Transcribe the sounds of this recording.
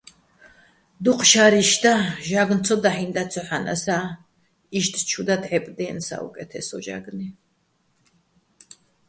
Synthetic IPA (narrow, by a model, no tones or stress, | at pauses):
d̪uqʰʃaɾiʃd̪aʒaɡnt̪t͡s̪ʰɔd̪aħind̪at͡sʰɔħanʔa̰sa | iʃt̪ʰt͡ʃʰud̪ad̪ʕɛpʼd̪ɛːnsa̰ṵkʼɛt̪ʰɛsɔʒa̰ɡni